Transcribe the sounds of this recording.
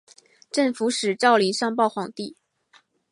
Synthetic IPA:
ʈ͡ʂə˥˩ŋfu˧˥ʂɻ̩˨˩ʈ͡ʂɑ˥˩ʊli˧˥ŋʂɑ˥˧ŋpɑ˥˩ʊxwɑ˨˩ŋt̪i˥˩

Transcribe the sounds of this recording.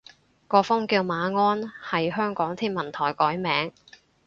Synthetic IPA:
kɔː˧fʊ˥ŋkiː˧wmaː˨˧ŋɔː˥nhɐ˨jɦœː˥ŋkɔː˨˥ŋt̪ʰiː˥nmɐ˨˩nt̪ʰɔː˨˩jkɔː˨˥jmɛː˨˥ŋ

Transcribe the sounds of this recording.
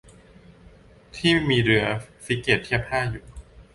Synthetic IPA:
t̪ʰiː˥˩miː˧ɾɯ˧ɐfi˦˥keː˨˩t̪ʰːi˥˩əp̚haː˥˩juː˨˩

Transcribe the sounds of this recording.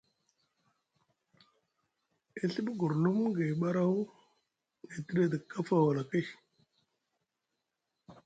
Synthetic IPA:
i˦ɬi˦bɡu˨ɾnu˦mɡe˨ɓa˦ɾa˦u˦ | ŋe˨tə˦ɾe˦də˨kːa˦fa˨wa˨la˨ki˦

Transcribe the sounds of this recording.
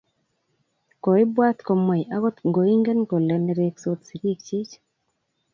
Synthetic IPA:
kɔ˨ɪ˦bwa˦t̪kɔ˨mwɛ˨ja˦ɣɔ˦t̪ŋɡo˨i˦ŋɡe˦nko˨lɛ˨nɛ˦ɾe˦kso˦t̪si˨ɾi˦kt͡ʃi˦t͡ʃ

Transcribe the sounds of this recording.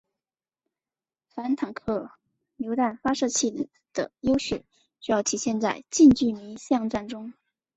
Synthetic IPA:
fa˧˥nt̪ʰa˨˩ŋkʰɤ˥˩ | ljo˧˥ʊt̪a˥˩nfa˥ʂɤ˥˧t͡ɕʰi˥˩ | d̪̥ə̰˩jo˥ʊʂḛ˥˩ɪ | ɕy˥jɑ˥˩ʊt̪ʰi˨˩ɕjɛ˥˧nt͡sa˥˧ɪt͡ɕi˥˧nt͡ɕy˥˩mi˧˥ɕjɑ˥˧ŋʈ͡ʂa˥˩nʈ͡ʂʊ˥ŋ

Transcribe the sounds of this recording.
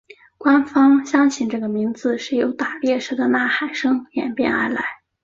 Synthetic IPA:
kwa˥nfɑ˥ŋɕjɑ˥ŋt͡ɕʰi˨˩nʈ͡ʂɤ˥˩ɡə˩mi˧˥ŋd͡zɹ̩˧ʂɻ̩˥˩jo˧˥ʊt̪a˨˩ljɛ˥˩ʂɻ̩˧˥d̪ə˧na˥˩xa˨˩ɪʂɤ˥ŋjɛ̰˨˩npjɛ̰˥˩nə̰˞˧˥la˧˥ɪ

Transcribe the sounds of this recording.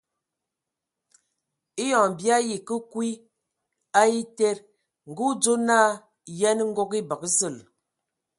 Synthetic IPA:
i˦jɔ˨bi˦a˦ji˨kə˦kwi˦ | a˦i˦te˦ɾ | ŋ̩˨ɡu˦d͡zo˦naː˦˨ | jɛ˦n˦ŋ̩˦ɡo˦ki˦bə˨kzə˦˨l

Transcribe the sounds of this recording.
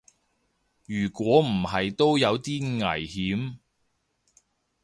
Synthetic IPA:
jyː˨˩kʷwɔː˨˥m̩˨˩ɦɐ˨jt̪o˥wjɐ˨˧wt̪iː˥ŋɐ̰˨˩jhiː˨˥m

